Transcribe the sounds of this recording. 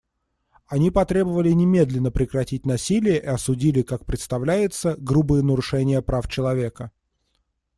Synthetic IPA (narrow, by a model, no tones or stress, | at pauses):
ɐnʲipɐt̪ɾʲe̞bəvəlʲɪnʲɪmʲe̞d̪lʲɪnːəpɾʲɪkɾɐtʲit̚ʲnɐsʲilʲɪjəʔiɐsʊdʲilʲɪkak̚pɾʲɪt̪st̪ɐvlʲæjɪt̪səɡɾubɨjənəɾʊʂɛnʲɪjəpɾaft͡ɕɪlˠɐvʲe̞kə